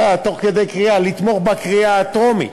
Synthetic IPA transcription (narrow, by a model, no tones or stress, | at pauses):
at̪o̞χke̞d̪ejkʁialit̪mo̞χbakʁiaːt̪o̞mḭ